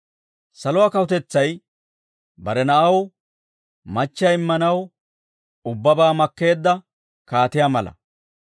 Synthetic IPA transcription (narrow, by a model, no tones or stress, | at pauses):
sɐlʊwaːkɐwʊt̪ɛt͡sːɐj | bɐɾɛnɐʔɐw | mɐt͡ʃːaɪmːɐnɐw | ʊbːɐbaːmɐkːe̞ːd̪ːɐ | kaːt̪ɪjaːmɐlɐ̰